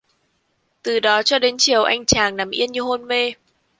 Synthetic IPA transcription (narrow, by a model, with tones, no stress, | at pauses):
t̪ɨ˨˩ɗɔ˨˦t͡ɕɔ˧ɗe˨˦nt͡ɕi˨˩əwʔa˧jŋ̟t͡ɕaː˨˩ŋna˨˩˦mʔḭ˧ənɲɨ˧ɦo˧nme˧